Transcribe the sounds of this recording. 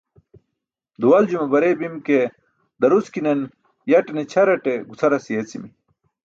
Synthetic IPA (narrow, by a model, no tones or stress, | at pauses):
d̪uwɐld͡ʑumɐbɐɾebimke | d̪ɐɾuskinen | jɐʈenet͡ɕʰɐɾɐʈeɡut͡sʰɐɾɐsijet͡simi